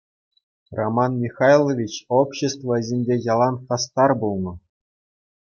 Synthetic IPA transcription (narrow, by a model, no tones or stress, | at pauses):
romɑnmʲiχɑjlˠovʲit͡ɕopɕĕst̪vɤ̆zʲenʲdʲejɑlˠɑnχɑst̪ɑrbulˠnɤ̆